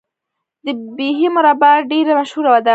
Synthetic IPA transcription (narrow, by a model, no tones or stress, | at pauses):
d̪əbiɦimʊɾabaɖeɾamaʃhuɾawad̪a